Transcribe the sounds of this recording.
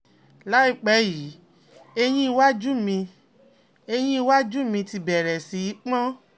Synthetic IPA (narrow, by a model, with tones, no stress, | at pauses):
la˨˦i˦˨k͡pɛ˧˦ji˨˦ | e˧j̃ĩ˦i˧wa˦d͡ʒu˦mĩ˧ | e˧j̃ĩ˦i˧wa˦d͡ʒu˦˨mĩ˧ti˧bɛ˨ɾɛ˨si˨˦i˦k͡pã˦